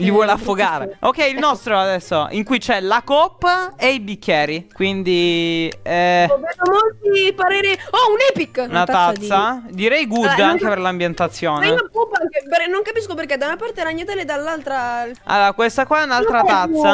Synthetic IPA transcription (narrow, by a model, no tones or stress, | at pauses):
ʎivwɔleafːoɡaːɾḛokːɛjilnɔst̪ɾoad̪ɛsːoiŋkujt͡ʃɛlakɔpːeibikʰʲːjɛːɾikwind̪i | ɛɛnomolt̪ipaɾeːɾiɔunɛpikːunat̪at̪ssːad̪iɾɛjɡud̪aŋk̟eperlambjent̪at̪sːjoːnekupːŋkepenːoŋkapiskoperked̪aunapart̪eɾaɲːat̪eled̪alːalt̪ɾaa̰lːoːɾakwest̪akɔɛunalt̪ɾat̪at̪sːa